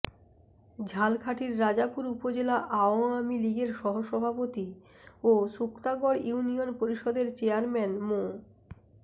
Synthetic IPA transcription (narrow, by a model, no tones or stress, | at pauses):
d͡ʑʱalkʰaʈiɾːad͡ʑapuɾupod͡ʑelaʔaoamiliɡeɾʃɔɦoʃɔbʱapot̪i | osukt̪aɡɔɾjunionpoɾiʃɔd̪eɾt͡ɕeaɾmɛnmo